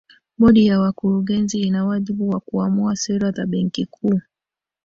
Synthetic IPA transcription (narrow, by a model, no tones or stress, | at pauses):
mɔɗijawakuɾuɡɛnziinawaʄiɓuwakuamuasɛɾazaɓɛŋkikʰuː